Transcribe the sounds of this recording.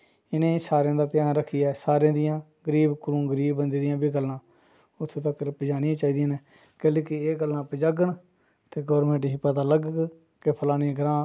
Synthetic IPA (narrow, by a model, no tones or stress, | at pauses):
ɪnẽːsaːɾjãːd̪aːt̪ɪjaːnɾəkʰijaːsaːɾɪãːd̪ɪjãː | ɡəɾiːbkʊɾũːɡəɾiːbːənd̪eːd̪ɪjãːbiːɡəlːãː | ʊt̪ʰːt̪əkɾpd͡ʒaːnɪjãːt͡ʃaːiːd̪ɪjãːneː | keːleːkɪeːɡəlːãːpəd͡ʒəɡəɳ | t̪eːɡɔːɾmẽːɳʈɦiːpət̪aːləɡ | kepʰəlaːniːɡɾãː